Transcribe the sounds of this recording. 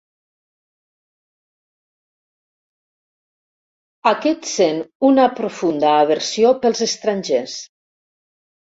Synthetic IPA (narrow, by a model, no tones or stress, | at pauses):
akɛt̪senunapɾofund̪aːβəɾsiopəlˠzəst̪ɾanʲʒes